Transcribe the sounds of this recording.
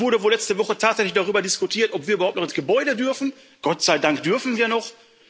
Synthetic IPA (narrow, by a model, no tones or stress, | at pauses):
vʊɐɾəvoːlɛt͡stəvɔχətʰaːtz̥ɛçlɪçd̥aʁ̞yːbɐdɪskutʰiːɐtɔpv̥iːɐʔyːɐhaʊptnɔχɪnsɡ̥əbɔʏdədʏɐfn̩ | ɡ̥ɔtz̥aɪdaŋkd̥ʏɐfn̩viːɐnɔχ